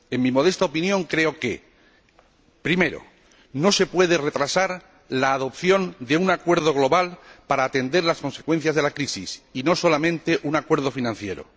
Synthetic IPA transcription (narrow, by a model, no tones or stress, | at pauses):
e̞ŋmimo̞ð̞e̞st̪aopinjõ̞ŋkɾe̞o̞ke̞̰ | pɾime̞ɾo̞̰ | no̞se̞pwe̞ðere̞t̪ɾasaɾ | laːðo̞pθjo̞nd̪e̞unakwe̞ɾð̞o̞ɣ̞lo̞βalpaɾaːt̪e̞nd̪e̞ɾlasko̞nse̞kwe̞n̟θjazðe̞lakɾisisino̞so̞lamẽ̞nt̪e̞ʔunakwe̞ɾð̞o̞finãn̟θje̞ɾo̞̰